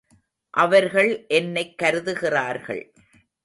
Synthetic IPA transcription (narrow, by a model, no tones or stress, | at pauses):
ʔɐʋɐɾɣɐɭʔɛnːɐɪkːɐɾɯðɯɣɪraːɾɣɐ̰ɭ